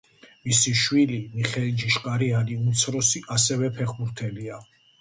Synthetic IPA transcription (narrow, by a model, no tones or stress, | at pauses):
misiʃwilimiχɛld͡ʒiʃkʼaɾianiumt̪sʰɾɔsiʔasɛvɛpʰɛχbuɾt̪ʰɛlia